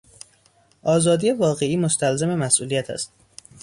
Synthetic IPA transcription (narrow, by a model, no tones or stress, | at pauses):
ʔɒːzɒːd̪ijevɒːɣe̞iːmost̪ʰælzeme̞mæsʔuːlijæt̪ʰæ̰st̪